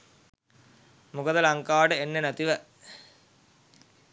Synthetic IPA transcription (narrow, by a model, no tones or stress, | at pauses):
mukəd̪əlɐŋkaːʈəenːenæt̪iʋə